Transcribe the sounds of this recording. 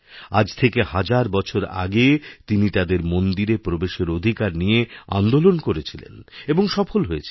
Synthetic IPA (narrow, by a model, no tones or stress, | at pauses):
ad͡ʑt̪ʰekehad͡ʑaɾbɔt͡ɕʰoɾa̰ɡet̪init̪ad̪eɾmond̪iɾepɾobeʃeɾod̪ʱikaɾnijea̰nd̪olonkoɾet͡ɕʰilḛneboŋʃɔfolɦoet͡ɕʰi